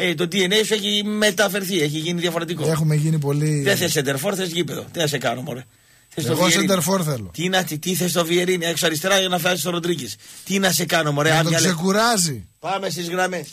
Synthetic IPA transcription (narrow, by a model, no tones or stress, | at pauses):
et̪o̞d̪ienefeçime̞t̪ɐfe̞ɾθieçiʝiniðjɐfo̞ɾet̪ikoexumeʝinip̬o̞liðeθesend̪eɾfo̞ɾθesʝipeðo̰t̪inɐs̬ekɐnomo̰ɾe | θest̪ovɣosɾeid̪eɾfoɾθelot̪inɐt̪it̪iθes̬t̪o̞vieɾinieksoɐɾist̪eɾɐʝɐnɐfɐsist̪oɾod̪ɾicist̪inɐse̞kɐnomoɾet̪oɐksekuɾɐzi | pɐme̞s̬t̪izɣɾɐme̞s